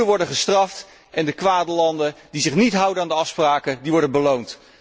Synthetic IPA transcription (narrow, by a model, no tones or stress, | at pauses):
əʋɔɹdəχəstrɑft | ʔɛndəkʋaːdəlɑndəndizɪχnitɦʌwdənaːndəɑfspraːkədiʋɔɹdənbəlownt